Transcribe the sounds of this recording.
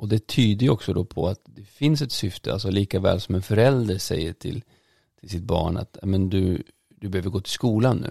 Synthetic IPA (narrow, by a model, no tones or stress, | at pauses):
ʔɔd̪ɛt̪ʰyːd̪əjɔksɔd̪ɔpʰɔ̰at̪d̪ɛfɪnsɛt̪sʏft̪ʰəa̰ls̬ɔliːkavɛ̰ːlsɔmɛnfœɾɛld̪əɾʂɛ̰jːəʈʰɪ̰l | t̪ʰɪls̬ɪt̪̚bɑ̰ːɳa̰t̪nɛmɛnd̪ɵ | d̪ɵbɛhøːvəɾɡoːt̪ʰɪlskuːlanːʉ̟̰ː